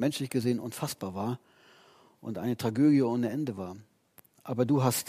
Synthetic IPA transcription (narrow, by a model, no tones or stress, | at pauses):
mɛnʃlɪçɡ̥əzeːənʔʊnfasb̥aːɐvaːɐ | ʔʊ̰ntʔa̰ɪnətʁ̥aɡøːdjəoːnəɛndəvaːɐ | ʔaːbɐduːɦast